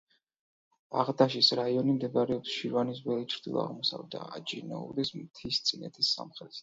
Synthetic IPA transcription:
aʁd̪aʃisɾaiɔnimd̪ɛvaɾɛɔpsʃiɾvanisvɛlit͡ʃʰɾd̪ilˠɔ̰a̰ʁmɔsa̰vɛd̪a̰ad͡ʒḭnɔ̰ṵd̪ɛsmt̪ʰist̪sʼinɛ̰t̪ʰisːa̰mχɾɛs

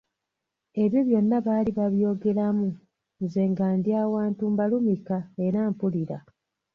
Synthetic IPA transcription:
e̞βjo̞βjo̞nːaβaːliβaβjo̞ːɡe̞lamu | nze̞ːŋɡaːndjaːwaːntumbalumikae̞ɾaːmpuliɾa

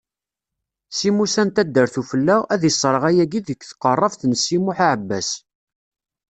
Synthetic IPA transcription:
simusænt̪æd̪ːəɾθufəlːææðəsˤːɾˤəʁæjæɡiðəkːθqərˤːəfθnəsːimuħaʕəbːæ̰s

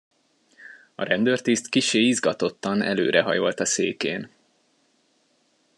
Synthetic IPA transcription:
ɒɾɛnd̪øːrt̪ist̪kiʃeːizɡɒt̪o̞t̪ːɒnɛlø̰ːɾɛɦɒ̰jo̞lt̪ɒseːkeːn

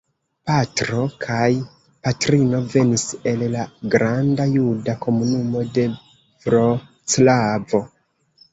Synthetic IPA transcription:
patɾo̞kʰaj | patɾino̞ve̞nise̞llaɡɾandajudako̞munumo̞de̞ | vɾo | t͡slavo̞

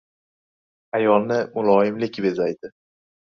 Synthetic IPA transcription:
ajɒlˠnɪmʊlˠɒjɪmlɪkʲbe̞zajd̪ɪ

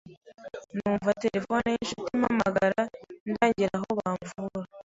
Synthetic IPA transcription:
nuːɱvateɾe̞fo̞nejinʃutimha̰maɡaɾandaːɲɟiɾaɦo̞βaːɱvuɾa

